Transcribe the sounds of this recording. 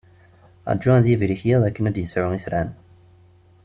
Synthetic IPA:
æ̰d͡ʒːuænðivliçjiðˤækːənæd̪jəsʕʊiθɾæn

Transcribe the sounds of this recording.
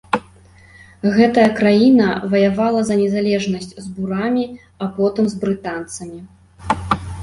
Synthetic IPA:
ɣɛt̪ɐjɐkɾajinɐvɐjavalˠɐzɐnʲɛzalʲɛʐnɐsʲt͡sʲzbuɾamʲi | apɔt̪ɨmzbɾɨt̪ant̪sɐmʲi

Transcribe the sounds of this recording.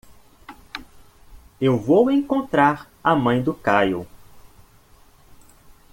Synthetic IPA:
ewvowẽkõnt̪ɾaɾ | ɐmɐ̃j̃d̪ʊkajo̰

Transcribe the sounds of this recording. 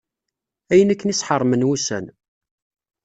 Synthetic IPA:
æjənækːənisħərˤːmənwusæ̰n

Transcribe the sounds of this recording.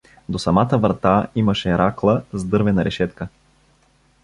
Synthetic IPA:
d̪osɐmat̪əvɾɐt̪aimɐʃɛɾaklˠəzd̪ɤɾvɛnɐɾɛʃɛt̪kə

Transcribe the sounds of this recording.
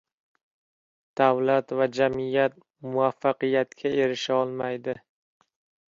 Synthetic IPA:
d̪̥avlat̪vad͡ʒamijat̪̚ | mʊafːaqɨjat̪kʲʰae̞ɾɪʃaɒlˠmajd̪ɪ

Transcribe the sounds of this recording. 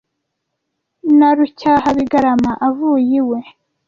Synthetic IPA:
naɾucaːhaβiɡaɾamaʔavuːjiwe̞

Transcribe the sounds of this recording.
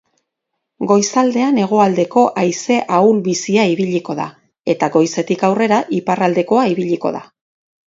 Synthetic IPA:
ɡo̞jsald̪e̞ane̞ɣ̞o̞ald̪e̞ko̞ʔajse̞ʔawlβisiaiβiʎiko̞ða̰ | e̞t̪aɡo̞jse̞t̪ikawre̞ɾaʔiparald̪e̞ko̞aiβiʎiko̞̰ða̰

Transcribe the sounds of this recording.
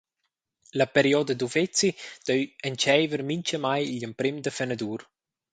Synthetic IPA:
lapeɾiɔd̪əd̪uvet͡sid̪̥œɥənt͡ʃɛjvəɾmiɲt͡ʃəmajʎəmpɾɪmd̪əfenad̪uɾ

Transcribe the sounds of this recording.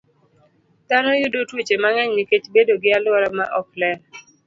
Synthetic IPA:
d̥anɔjʊdotwet͡ʃemaŋɛɲniket͡ʃbedoɡɪalɔɾamaʔɔklɛn

